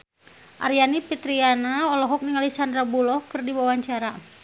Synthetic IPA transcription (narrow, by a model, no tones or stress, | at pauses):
ʔa̰rjanipit̪ɾianaɔlɔɦɔk̚niŋalisand̪ɾabulɔhkɨrdiwawaɲt͡ʃaɾa